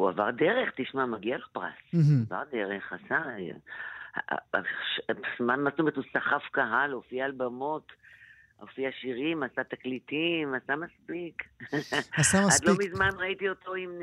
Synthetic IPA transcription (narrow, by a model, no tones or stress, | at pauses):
ua̰va̰ʁd̪eʁeχt̪iʃmamaɡialepʁa̰sava̰ʁd̪eʁeχasa | a̰ʃsmanmast̪omeetusaχafkaɦalofiaːlbamo̞t | o̰fiaʃiʁimasat̪aklitimasamaspik | asaadlomizmanʁait̪io̞to̞im